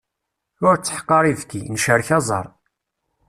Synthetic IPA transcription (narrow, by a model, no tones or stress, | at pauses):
ʊɾt͡sːə̥ħqːɑɾˤivkinəʃəɾçɑzˤɑ̰ɾˤ